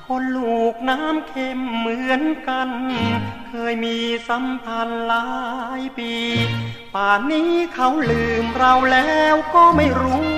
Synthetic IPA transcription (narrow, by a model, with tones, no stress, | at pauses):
kʰo˧nluː˨˩k̚naː˦˥˨mkʰe˧˩mːɯ˧˦ənka˧nkʰɤː˧jmiː˧sa˨˦mpʰa˧nlaː˦˥jpiː˧ | paː˨˩nːiː˦˥kʰa˧˩wlɯː˨˩mɾa˧wlɛː˦˥wkɔː˥˩ma˥˩jɾuː˦˥